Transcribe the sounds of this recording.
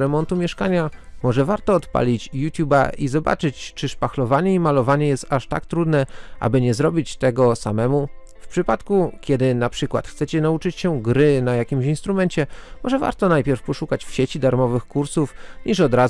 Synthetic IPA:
ɾɛmɔnt̪umʲjɛʂkaɲamɔʐɛvaɾt̪ɔːt̪pa̰lʲit͡ɕjut̪ʲjuba̰ʔizɔba̰t͡ʂɘt͡ɕt͡ʂɘʂpaxlɔvaɲɛimalɔvaɲɛjɛst̪aʂt̪a̰kt̪ɾud̪nɛʔa̰bɘɲɛzɾɔbʲit͡ɕt̪ɛɡɔsamɛmu | fpʂɘpat̪kukʲɛd̪ɘnapʂɘkwa̰t̪xt̪sɛt͡ɕɛnaut͡ʂɘt͡ɕɕɛɡɾɘnajakʲimɕinst̪ɾumɛnt͡ɕɛmɔʐɛva̰ɾt̪ɔnajpʲjɛɾfpɔʂukat͡ɕfɕet͡ɕid̪aɾmɔvɘxkuɾsufɲiʂɔd̪ɾa

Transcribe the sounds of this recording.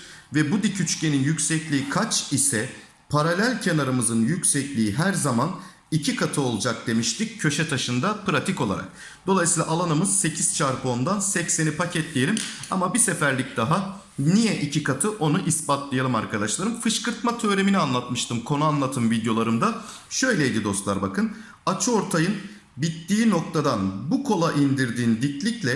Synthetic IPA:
vɛbud̪icʰyt͡ʃcʰe̞ninjycʲsɛclʲiːikʰat͡ʃisɛ | pʰaɾalʲælʲcʰe̞naɾamɯzɯnjycsɛclʲiːɦæɾzaman | icʰikʰat̪ʰɯo̞lˠd͡ʒak̚d̪e̞miʃt̪ʰic̚ːʰø̞ʃɛt̪ʰaʃɯnd̪apɯɾat̪ʰiko̞lˠa̰ɾa̰k̚ | d̪̥o̞lˠajsiːlˠa̰ʔalˠanɯmɯz̥se̞cʰiz̥t͡ʃʰaɾbo̞nd̪ansɛcsenipʰacʰɛt̪lʲijelʲimamabisefæɾlʲic̚d̪̥aɦa | nijɛʔicʰikat̪ʰɯʔo̞nuʔispat̪lˠajalˠɯmaɾkʰad̪aʃlˠaɾɯmfɯʃkɯɾt̪mat̪ʰø̞ːɾe̞minianlˠat̪mɯʃt̪ʰɯmkʰo̞nuanlˠat̪ʰɯmvid̪jo̞lˠaɾɯmd̪a | ʃø̞jlʲejd̪id̪o̞st̪lˠaɾbakʰɯn | at͡ʃʰo̞ɾt̪ʰajɯn | bit̪ːiːno̞k̚t̪ʰad̪anbukʰo̞lˠaʔind̪iɾd̪iːnd̪iclʲiclʲɛ

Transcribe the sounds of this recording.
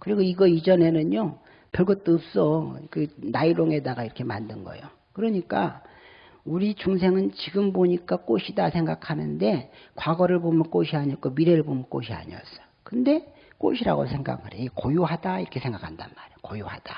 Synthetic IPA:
kɯɾiɡoiɡʌid͡ʑʌne̞nɯnjo | pjʌɭɡʌt͈oːp̚s͈ʌkɯnaiɾoŋe̞daɡaiɾʌkʰe̞mandɯnɡʌ̰jo | kɯɾʌɲik͈a̰ | uɾit͡ɕuŋs̬ʰe̞ŋɯnt͡ɕiɡɯmboɲik͈ak͈oɕʰidasʰe̞ŋɡakʰanɯnde̞kwaɡʌɾɯɭbomɯnk͈oɕʰiaɲiʌk͈omiɾe̞ɾɯɭbomɯnk͈o̰ɕʰia̰ɲiʌs͈ʌ̥jokɯnde̞ | k͈o̰ɕʰiɾa̰ɡo̰sʰe̞ŋɡa̰kʰɯɾeekojuɦadaiɾʌkʰe̞sʰe̞ŋɡakʰanda̰nmaɾejokojuhad̥a

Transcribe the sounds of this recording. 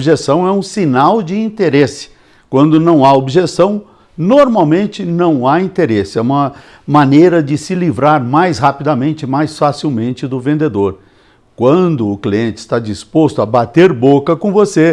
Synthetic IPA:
obʒesɐ̃w̃ɛũsinawd͡ʒɪĩnt̪eɾesɪ̥ | kwɐ̃nd̪ʊnɐ̃w̃aobiʒesɐ̃w̃ | noɾmawmẽnt͡ʃɪnɐ̃w̃aĩnt̪eɾesɪɛũmɐ | mɐ̃nejɾɐd͡ʒɪsɪlivɾaɾmajshapid̪ɐmẽnt͡ʃɪmajsfasiwmẽnt͡ʃɪd̪ʊvẽnd̪ed̪oɾ | kwɐ̃d̪ʊːkliẽnt͡ʃɪ̥st̪ad͡ʒispost̪ʊɐbat̪eɾbokɐkõvose

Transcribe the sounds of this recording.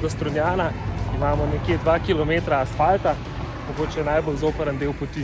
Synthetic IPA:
ɡɔst̪ɾɔnjaːnaimaːmɔnɛkjed̪ʋakilɔmeːt̪ɾaːsfalt̪a | mɔɡoːt͡ʃɛnajbolzoːpəɾənd̪eːwpɔt̪i

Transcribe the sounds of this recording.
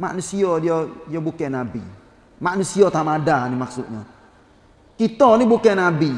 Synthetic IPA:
ma̰nisijɔdɔjɔbokɛnabḭ | manisiɔtamadanimaksṵʔɲɔ̰ | kitɔnibokɛnabi

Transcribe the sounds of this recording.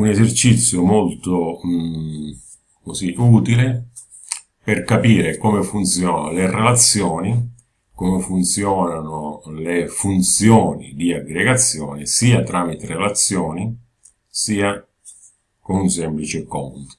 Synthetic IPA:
unezert͡ʃit̪sːjomolt̪ʊ | kosiʔuːt̪ile | pɪrkapiːɾekɔmefunt̪sjɔːnlerelat̪sːjɔːni | komɪfunt̪sjɔːnanʊlefunt̪sjɔːnḭd̪iaɡɾeɡat̪sːjɔːnisiːat̪ɾaːmit̪eɾelat̪sːjɔːni | siːa | kʊnunsɛmplit͡ʃɪkɔnt̪

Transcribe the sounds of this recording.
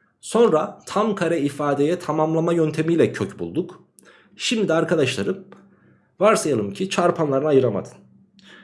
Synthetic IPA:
so̞nɾat̪ʰamkʰaɾɛifaːd̪ejɛt̪ʰamamlˠamajønt̪ʰe̞mijlʲɛcʰøcbṵlˠd̪uk | ʃimd̪d̪iaɾkʰad̪aʃlˠaɾɯm | vaɾsajalˠɯmcʰit͡ʃʰaɾpʰanlˠaɾɯnajɯɾama̰d̪ɯn

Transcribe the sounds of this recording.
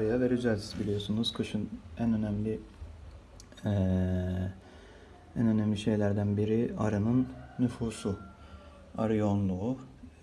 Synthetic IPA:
ɾɯjavɛɾyzælʲsʰi̥sbilʲijo̞sunuzkʰɯʃɯnænønæmlʲi | ɛ | ænø̞næmlʲiʃe̞jlʲæɾd̪ænbiɾiaɾɯnɯnːyfuːsu | aɾɯjonlˠuː

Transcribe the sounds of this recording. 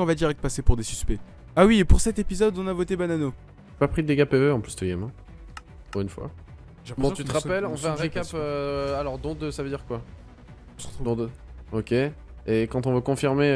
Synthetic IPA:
ɔ̃vad̪iʁɛk̚t̪pasepuʁd̪esy̥spɛ | awiepuʁsɛt̪epizɔd̪ɔ̃navot̪ebanano | papχid̪əd̪eɡapeveɑ̃plysd̪øɡɛmɛ̃ | puʁynfwa̰ | ʒɛ̃pbɔ̃t̪yt̪əʁapɛlɔ̃fɛɛ̃ʁekapøalɔʁd̪ɔ̃d̪øsavəd̪iʁkwa | ɔ̃sʁt̪ud̪ɔ̃d̪ø | ɔkʲe | ekɑ̃t̪ɔ̃vøkɔ̃fiʁme

